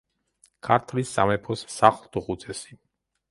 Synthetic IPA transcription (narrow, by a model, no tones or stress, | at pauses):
kʰaɾt̪ʰlisːamɛpʰɔsːaχlˠt̪ʰuχut̪sʰʼɛsi̥